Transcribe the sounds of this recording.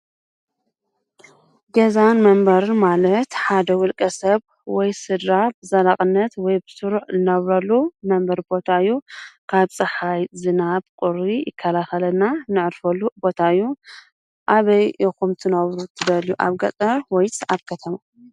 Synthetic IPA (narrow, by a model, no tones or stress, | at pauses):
ɡɐzanmɐmbɐɾmalɐt̪ħad̪ɐwʊlkʼɐsɐβ | wɔjsɨd̪ɾabɨzɐlaχʼɨnːɐt̪wɔjbɨsɨɾuʕzɨnɐβɾɐlːumɐmbɐɾbo̞t̪ʰaɨjːukʰaβt͡sʼɨħajzɨnaβkʼɨɾijɪkʰːɐlaxɐlɐnːanɨʕɨɾfɐlːubo̞t̪ʰaɨjːu | ʔaβɐjixumt̪ʰɨnɐβɾut̪ʰɨd̪ɐljuʔa̰βɡɐ̰t̪ʼɐɾwɔjt͡sʼaβkʰɐt̪ʰɐma